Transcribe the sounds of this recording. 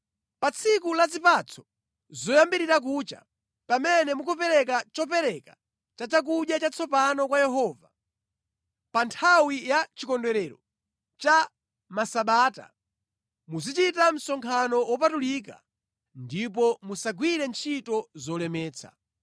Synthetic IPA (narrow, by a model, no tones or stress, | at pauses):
pat͡sʰikulazipat͡sʰɔ̥ | zɔjambiɾiɾak̬uːt͡ʃa̰ | pamɛnɛmukʰɔpɛɾɛk̬at͡ʃɔpɛɾɛka | t͡ʃat͡ʃak̬uɗjat͡ʃat͡sʰɔpanɔkwajɛɦɔːva | pantʰawijat͡ʃikɔndwɛɾɛɾɔ | t͡ʃa | masaɓaːta̰ | muzit͡ʃitam̩sɔŋkʰanɔwɔp̬atulik̬a̰ | ndip̬ɔmusaɡwiɾɛnt͡ʃʰitɔzɔlɛmɛːt͡sʰa̰